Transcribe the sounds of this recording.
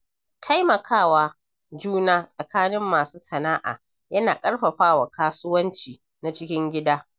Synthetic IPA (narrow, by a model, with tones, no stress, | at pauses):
tʰa˦jmɐ˨kʰaː˦waː˦ | d͡ʒuː˦naː˦sʼɐ˨kaː˦nɪ˦mːaː˨suː˦sɐ˨naː˦ʔa̰ː˨ | jɐ˦naː˨kʼɐ˦ɽɸɐ˨ɸaː˦wa˨kaː˦sʊ˦wɐ˦nt͡ʃiː˨ | na˨t͡ʃɪ˦kʲɪ˦ŋɡʲɪ˦daː˦